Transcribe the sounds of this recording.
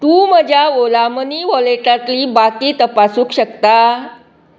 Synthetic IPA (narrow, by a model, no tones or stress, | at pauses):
t̪uːməd͡ʑjaʋolaməniːʋɔleʈãt̪liːbakiːt̪əpasuːkɕəkt̪a